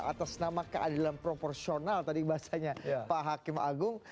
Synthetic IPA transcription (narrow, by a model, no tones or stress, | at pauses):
a̰t̪asnamakəʔadalampɾoporsionalt̪adibaasaɲapaɦakɪma̰ɡʊŋ